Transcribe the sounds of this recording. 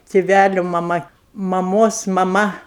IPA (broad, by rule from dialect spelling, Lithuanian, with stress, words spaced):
tʲɪˈʋʲælʲʊ mɐˈmɐ mɐˈmoːs mɐˈmɐ